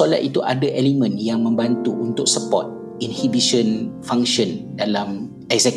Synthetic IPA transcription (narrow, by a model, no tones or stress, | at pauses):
ola̰t̪it̪uʔadəʔɛlimə̃njaŋmə̃mbant̪uunt̪ʊk̚səpɔ̰t̪̚ | inhibiʃə̃nfãŋʃə̃ndalam | ɛksɛk